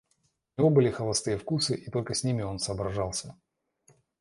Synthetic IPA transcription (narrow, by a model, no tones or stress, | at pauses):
ʊnʲɪvo̞bɨlʲɪxəlˠɐst̪ɨjəfkusɨʔit̪o̞lʲkəsʲnʲimʲɪo̞nsəːbɾɐʐalˠsʲə